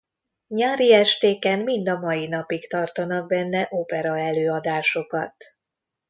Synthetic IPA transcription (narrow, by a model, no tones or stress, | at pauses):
ɲaːɾiɛʃt̪eːkɛmmind̪ɒmɒjinɒpikt̪ɒrt̪ɒnɒɡ̚bɛnːɛʔopɛɾɒɛløːɒd̪aːʃo̞kɒ̰t̪